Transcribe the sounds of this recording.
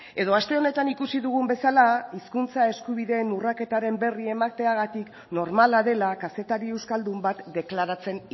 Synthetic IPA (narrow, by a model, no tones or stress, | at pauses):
e̞ðo̞ast̪e̞o̞ne̞t̪anikusiðuɣ̞umbe̞salaiskunt͡sae̞skuβ̞iðe̞ːnurake̞t̪aɾe̞mbe̞rie̞makt̪e̞aɣat̪ik | no̞ɾmalaðe̞lakase̞t̪aɾiewskald̪umbat̪d̪e̞klaɾat͡se̞n